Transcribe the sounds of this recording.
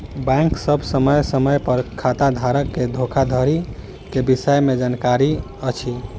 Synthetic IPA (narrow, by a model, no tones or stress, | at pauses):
bɛ̃ŋksəbʱsəməjsəməjpəɾkʰat̪ad̪ʱaɾəkːed̪ʱokʰad̪ʱəɾi | kebisəjmed͡ʒankaɾi | ət͡ʃʰi